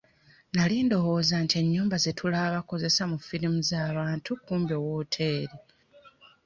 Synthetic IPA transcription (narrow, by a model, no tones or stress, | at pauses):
naliːndo̞wo̞ːzantie̞ɲːuːmbazetʰulaβako̞ze̞samufiɾimuzaːβaːntʰukuːmbjo̞ːwotʰe̞ːɾi